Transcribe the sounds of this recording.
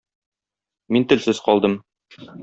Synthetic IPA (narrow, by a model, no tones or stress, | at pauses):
mint̪ɘ̆lsɘz̥qɒlˠd̪ɤm